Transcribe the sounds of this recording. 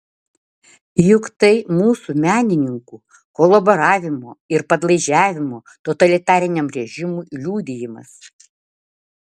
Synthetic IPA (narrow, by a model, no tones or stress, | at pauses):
jʊkt̪ɐɪmuːsumʲæːnʲɪnʲɪŋkuː | kɔlˠɐbɔɾɑːʋʲɪmoːɪɾpɐd̪lˠɐɪʒʲæːʋʲɪmoː | t̪ot̪ɐlʲɪt̪ɑːɾʲɪnʲɛmɾʲɛʒʲɪmuːlʲuːd̪ʲɪjɪmɐ̰s